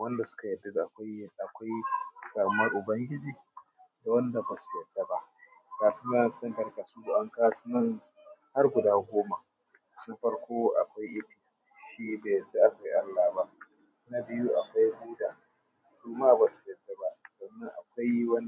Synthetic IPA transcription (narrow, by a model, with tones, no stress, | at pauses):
wɐ˦nda˨sʊ̥˦ka˨jɐ˨dɐ˦ɡʔa˨kʷa˦jʔa˨kʷa˦jsaː˨mɐ˦rʔʊ˨bɐ˦ŋɡʲɪ˦d͡ʒiː˨ | da˨wɐ˦nda˨ba˨su̥˦˨jɐ˨d̥ːɐ˦ba˨ʔ | kaː˨sʊ˦nza˦ʔa˨˦ɛ˦ntɐ˨rka˨su˦ɡu˨ʔa˦ŋkaː˦su̥˦nɐ˦ŋ | ha˦rɡʷʊ˨daː˦ɡʷoː˦ma˨ | na˦ɸɐ˦ɽkʷoː˦ʔa̰˨kʷa˦jʔɪ˦ɸiː˨s | ʃiː˦beː˨jɐ˨da˦ʔa˨kʷa˦jʔa˦lːaː˨ba˦ʔ | na˦bɪ˦ju˦ʔa̰˨kʷa˦jɡuː˦daː˨ | suː˦maː˦ba˨su̥˨jɐ˨dːɐ˦ba˨ʔsɐ˨nːɐ˦ŋʔa̰˨kʷa˦jwɐ˦n˨